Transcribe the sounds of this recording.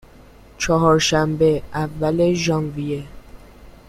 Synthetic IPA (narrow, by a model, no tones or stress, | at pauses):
t͡ʃʰɒɦɒːɾʃæmbeævːæle̞ʒɒnvije